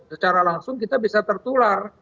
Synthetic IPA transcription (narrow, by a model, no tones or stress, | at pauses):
sət͡ʃaɾalaŋsʊŋkit̪abisat̪ərt̪ular